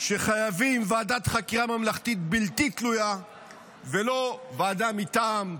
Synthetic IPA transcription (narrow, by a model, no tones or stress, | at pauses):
ʃeχajavimvaːd̪at̪χakiʁamamlaχt̪it̪bilt̪it̪luja | velo̞vaːd̪amit̪aːm